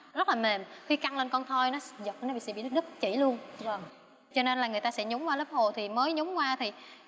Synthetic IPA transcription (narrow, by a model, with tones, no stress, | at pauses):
zə˦˥t̚laː˨˩me˨˩mxi˧ka˧ŋle˧nkɔ˧nt̪ʰɔ˧jnɔ˨˦zə˨˩t̚ːnɔ˨˦ɓḭ˧˨sɛ̰˧˥ɓḭ˧˨ɨ˦˥ɗɨ˦˥k̚t͡ɕḭ˧˩lu˧ən˧ | t͡ɕɔ˧ne˧nlaː˨˩ŋɨ˨˩əjt̪aː˧sɛ̰˧˥ɲʊ˨˦ŋ͡mkwaː˧ləː˦˥p̚ho˨˩t̪ʰi˨˩məː˨˦jɲʊ˨˦ŋ͡mkwaː˧t̪ʰi˨˩